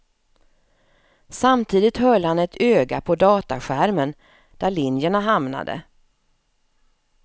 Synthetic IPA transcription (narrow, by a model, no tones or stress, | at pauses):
samt̪ʰiːd̪ɪt̪hœlːhanɛt̪ʰøːɡapʰɔd̪ɑːt̪aɧæɾmən | d̪̥æɭɪnjəɳaɦamna̰d̪ə̰